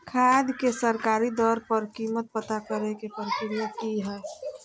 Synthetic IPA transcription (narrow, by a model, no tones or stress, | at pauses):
kʰaːd̪kesəɾkaːɾid̪ɔːɾpəɾkiːmət̪̚pət̪akəɾekepəɾəkɾijakiɦɛː